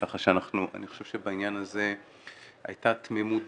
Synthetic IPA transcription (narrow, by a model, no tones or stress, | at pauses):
aχaʃeanaχnuʔa̰niχo̞ʃe̞v̥ʃebainjanaze̞ | a̰jtatmemut